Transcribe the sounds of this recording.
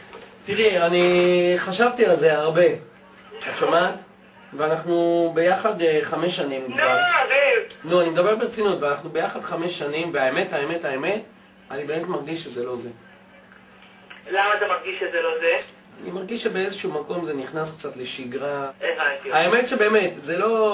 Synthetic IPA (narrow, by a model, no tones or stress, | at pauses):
t̪iʁianiχaʃavtialze̞aʁbe̞ | at͡ʃomat | veanaχnube̞jaχadeχameʃːanimavinuanimed̪abe̞ʁbet͡sinutveanaχnube̞jaχad̪χame̞ʃːanimveaeme̞thaemetaeme̞t | anibemetmaʁɡiʃːezelo̞ze | lamaːt̪amaʁɡiʃezeloze | animaʁɡiʃːebe̞ezeʃumako̞mze̞niχnaskt͡satle̞ʃiɡʁaenaaeme̞tʃe̞be̞ːme̞tzelo̞